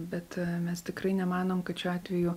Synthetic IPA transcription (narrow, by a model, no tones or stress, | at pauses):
bʲɛt̪mʲɛst̪ʲɪkrɐɪnʲɛmɑːnoːmkɐt̪ʃʲuɑːt̪ʲʋʲɛjuː